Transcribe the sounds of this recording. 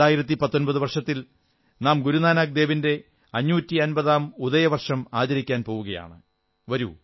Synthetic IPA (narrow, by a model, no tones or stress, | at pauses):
aːjiɾɐt̪̬ːipɐt̪ːo̞nbɐðuʋɐrʂɐt̪ːil | naːmɡuɾunaːnaːk̚d̪e̞ːʋinde̞ | ɐɲːuːtːiɐnbɐðaːmuðɐjɐʋɐrʂɐmaːt͡ɕɐɾikʲːaːnpo̞ːʋuɣɐja̰ːɳɨ | ʋɐɾu